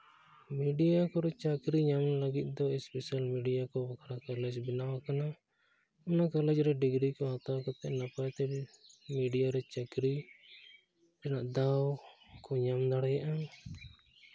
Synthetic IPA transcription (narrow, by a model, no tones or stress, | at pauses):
miɖijakɔɾɛt͡ʃakɾiɲamləɡit̪̚ˀd̪ɔɛspɛsalmiɖijakɔbakʰɾakalɛd͡ʒbinawakana | ɔnakalɛd͡ʒɾɛɖiɡɾikɔɦat̪awkɔt̪ɛʔnapat̪ɛmiɖijaɾɛt͡ʃakɾi | ɾɛnaʔd̪awkɔɲamd̪aɽɛjaʔa